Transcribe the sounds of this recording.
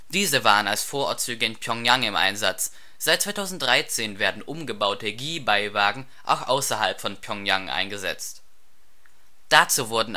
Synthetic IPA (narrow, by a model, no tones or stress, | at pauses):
d̥iːzəvaːʁənalsfoːɐʔɔ̰ɐt̚t͡syːɡəɪnpʰjɔŋjaŋɪmʔa̰ɪnzat͡s | z̥aɪt̚t͡sv̥aɪtʰaʊzn̩t̚d̥ʁaɪt͡seːnveːɐdn̩ʔʊmɡəbaʊtəɡiːbaɪvaːɡŋ̩ | ʔa̰ʊxʔa̰ʊsɐhalpfɔnpʰjɔŋjaŋʔa̰ɪnɡəzɛ̰t͡st | d̥at͡suːvʊɐdn̩